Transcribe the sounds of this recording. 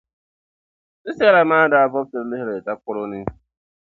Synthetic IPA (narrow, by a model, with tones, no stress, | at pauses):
sɪ˦si˦a˦ɾa˨ma˦da˨a˦vɔ˦p̚te˨ɾlɪ˦ɦe˦ɾe˨ta˦kʷʊ˦ɾʊ˦nɪ˦